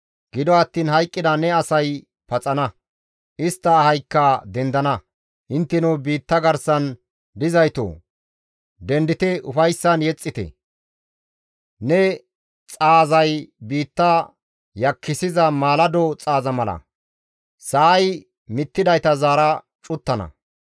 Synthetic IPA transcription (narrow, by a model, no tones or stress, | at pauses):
ɡ̥ɪd̪ɔɐt̪ːiːnhɐjkʼːɪd̪ɐnɛɐsɐj | pɐt͡sʼɐnɐ | ʔɪst̪ːɐhɐjkːɐːd̪ɛnd̪ɐnɐ | ʔɪnt̪ːɛnʊwbiːt̪ːɐɡɐɾsɐn | d̪ɪzɐjt̪o̰ː | d̪ɛnd̪ɪt̪ɛʊfɐjsːɐnjɛt͡sʼːɪt̪ɛ̰ | nɛ | t͡sʼaːzɐjbiːt̪ːɐ | jɐkːɪsɪzɐmaːlɐd̪ot͡sʼaːzɐmɐlɐ̰ | sɐʔːj | mɪt̪ːɪd̪ɐjt̪ɐzaːɾɐ | t͡ʃʼʊt̪ːɐnɐ̰